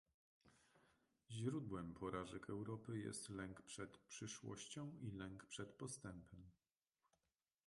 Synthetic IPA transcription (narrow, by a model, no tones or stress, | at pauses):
ʑɾud̪wɛmpʰɔɾaʐɛkɛwɾɔpɘjɛ̰st̪lɛŋkpʂɛt̪pʂɘʂwɔ̰ɕt͡ɕɔ̃w̃ʔilɛŋkpʂɛt̪pɔst̪ɛmpʰɛm